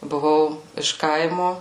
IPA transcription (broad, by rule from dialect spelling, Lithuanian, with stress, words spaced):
bʊˈʋɐʊ ɪʃ ˈkɐɪmʊ